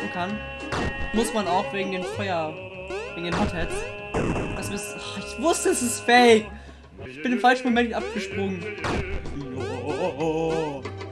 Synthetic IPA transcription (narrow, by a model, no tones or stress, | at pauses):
n̩kʰan | mʊsmanaʊxveːɡŋ̩deːnfɔʏɐv̥eːɡŋ̩deːnɦɔthɛts | ʔɛsɪsɔɪçv̥ʊstəɛsɪstfɛɪk | ɪçb̥ɪnɪmfalʃn̩momɛntʔap̚ɡ̥əʃpʁ̥ʊŋən